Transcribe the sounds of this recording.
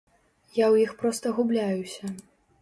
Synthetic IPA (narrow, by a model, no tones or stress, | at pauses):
jawjixpɾɔst̪ɐɣublʲajusʲɐ